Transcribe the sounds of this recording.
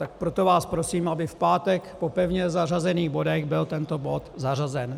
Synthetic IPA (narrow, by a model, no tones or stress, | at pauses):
t̪ak̚pɾo̞t̪o̞vaːspɾo̞siːmʔabɪfpaːt̪ɛkpopɛvɲɛzarazɛniːɣbo̞dɛɣbɪlt̪ɛnt̪o̞bo̞t̪zarazɛn